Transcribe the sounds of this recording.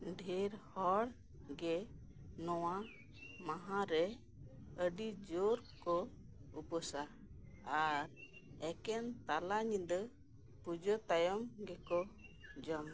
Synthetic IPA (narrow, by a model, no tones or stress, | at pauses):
ɖʱiɾhɔɽ | ɡɛ | nɔwa | mãɦãɾɛ | əɖid͡ʒoɾkɔupɔsa | aɾ | ɛkɛnt̪alaɲid̪ɔ | pud͡ʒɔt̪ajɔmɡɛkɔd͡ʒɔm